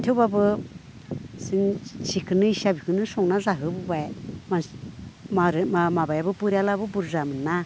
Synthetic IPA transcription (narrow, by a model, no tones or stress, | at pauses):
t̪ʰebabɨ | sɨŋʃikʰɨnɨiʃabikɨnɨsoŋnaʐaɦɨbɨbajmamaɾmamababɨpuɾʲalabɨbuɾʐamɨna